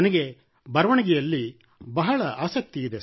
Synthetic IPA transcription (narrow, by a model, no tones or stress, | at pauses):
ɐnɐɡe̞ | bɐɾɐʋɐɳɐɡɛjɐlːi | bɐɦɐɭɐʔaːsɐk̚t̪iːd̪e